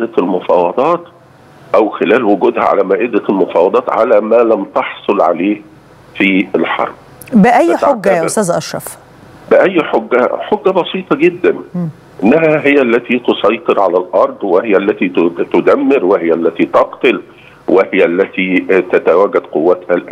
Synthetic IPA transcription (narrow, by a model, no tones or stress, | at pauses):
ʔd̪ælmʊfɑːwɑd̪ˤɑːt̪ | ʔæwxɪlæːlwʊɡuːd̪hæ̰ʕa̰læmæːʔɪd̪ælmʊfɑːwɑd̪ˤɑːt̪ʕa̰læmæːlæmt̪ɑħsˤolʕa̰leː | fiːɪlħɑ̰ɾˤb̥̚ | bɪʔæj̪ːoɡːʔʊst̪æːzʔɑʃːɑf | bɪʔæjːħoɡːæ̰ħoɡːæbɑsˤiːt̪ˤɑɡɪd̪ːæn | ʔɪnːæɦæɦɪjːæʔlːæt̪it̪osˤɑjt̪ˤɨɾʕalælʔɑɾˤd̪ˤwɪhɪjːæʔlːæt̪it̪ʊd̪æmːɪɾwɪhɪjːælːæt̪it̪ɑqt̪ɪl | wʔɪhɪjæʔlːæt̪it̪æt̪æwæɡæd̪̥qowːæt̪hælʔæː